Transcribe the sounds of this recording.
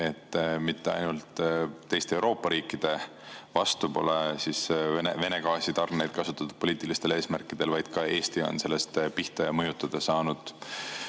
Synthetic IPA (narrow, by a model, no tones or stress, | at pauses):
e̞t̪ːmit̪ːe̞ɑ̰jnult̪ːe̞jst̪eewɾo̞ːpːˑɑɾiːkːˑid̪̥e̞ | vɑst̪upo̞̰lesisenḛve̞ne̞ɡɑːsit̪ɑrne̞jd̪̥̚kɑsut̪ːˑɑt̪ːud̪̥po̞liːt̪ˑilist̪e̞le̞ːsmærkːˑid̪̥e̞lvɑjd̪̥kɑe̞ːst̪io̞̰nse̞lːe̞st̪piht̪ɑmɤjut̪ːˑɑd̪̥ɑsɑːnud̪̥